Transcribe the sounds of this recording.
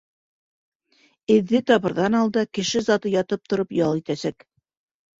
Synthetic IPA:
ɘ̆ðːɘt̪ɑβɤ̆ɾðɑnɑlˠd̪ɑkɘ̆ʃɘzɑt̪ɤjɑt̪ɤp̚t̪ŏɾɤpjɑlˠit̪æsæk

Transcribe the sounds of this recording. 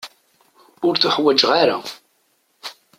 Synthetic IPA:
ʊɾθʊħwæd͡ʒʁaɾa̰

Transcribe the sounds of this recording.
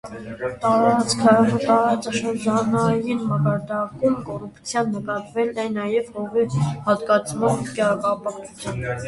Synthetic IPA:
t̪ɑɾɑt͡skʰət̪ɑɾɑt͡sɑʃəɾd͡ʒɑnɑjinmɑkɑɾd̪ɑkumkɔrupt͡sʰjɑnːəkɑt̪vɛlnɑjnɑjɛvhɔʁihɑt̪kɑt͡sʰmɑnkkɑpɑχut͡sʰjɑn

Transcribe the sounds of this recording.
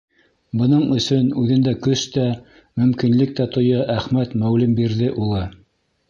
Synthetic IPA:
bɤ̆nɤɴɵ̆sɵnʉðɘ̆nd̪ækɵʃt̪æ | mɵ̆mkinlɘk̚t̪æt̪ŏjɤʔæχmæt̪mæwlɘmbiɾðɘʔulˠɤ

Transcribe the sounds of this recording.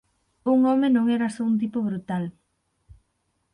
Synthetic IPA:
uŋɔmenõŋɛɾasount̪̬ipoβɾut̪al

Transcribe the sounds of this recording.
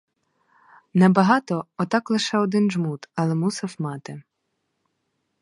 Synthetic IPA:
nɛbɐɦɑt̪ɔɔt̪ɑklˠɪʃɛɔd̪ɪnʒmut̪ɐlˠɛmusɐwmɑt̪ɪ

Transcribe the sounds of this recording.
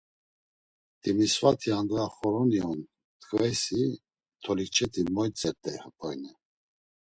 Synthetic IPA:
t̪ʼimisvat̪ʰiand̪ɾaχɔɾɔniɔn | t̪ʰʼkʼvɛsi | t̪ʰɔlit͡ʃʰɛt̪ʰimɔjt͡sʼɛɾt̪ʼɛhapʰʼɔjnɛ

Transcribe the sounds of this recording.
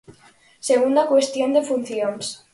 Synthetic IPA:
seɣund̪akwest̪jond̪efun̟θjons

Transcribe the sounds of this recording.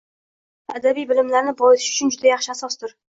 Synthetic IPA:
ad̪abijbɪlɪmlaɾnɪbɒɪsɪʃʊ̥t͡ʃʰʊnd͡ʒʊd̪ajɑχʃɪasɒst̪ʊɾ

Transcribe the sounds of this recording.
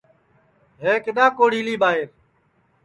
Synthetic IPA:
ɦeːkɪɗãːkoːɽ̤iːliːɓaːɦɪɾ

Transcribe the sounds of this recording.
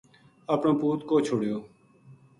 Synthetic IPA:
əpɳõːpuːt̪koːt͡ʃʰoɽjoː

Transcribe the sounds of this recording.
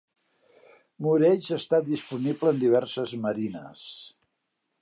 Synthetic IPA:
muɾɛʒast̪at̪̚d̪ispunibləːnd̪iβ̞ɛrsəzməɾinə̰s

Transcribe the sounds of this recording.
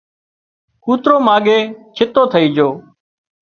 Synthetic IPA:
kuːt̪ɾoːmaːɠeːt͡ʃʰɪt̪oːt̪ʰəiːd͡ʒoː

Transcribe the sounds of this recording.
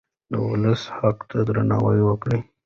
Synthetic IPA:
d̪əwʊləshaqt̪ʰad̪ɾana̰wəjwəkɽi

